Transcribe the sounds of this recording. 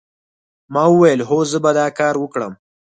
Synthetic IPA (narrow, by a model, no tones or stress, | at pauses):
mɑwəwajəlɦozəbad̪ɑːkɑːɾwəkɽə̰m